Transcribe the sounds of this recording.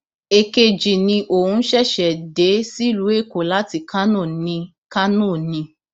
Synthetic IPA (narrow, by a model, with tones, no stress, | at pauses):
e˧ke˧d͡ʒi˨nĩ˧ʔo˨hũ˧˦ʃɛ˦˨ʃɛ˨de˨˦si˦˨lu˨˦e˦˨ko˨la˨˦ti˧kʰa˦nũ˦˨nĩ˧ | ka˦nũ˦˨nĩ˧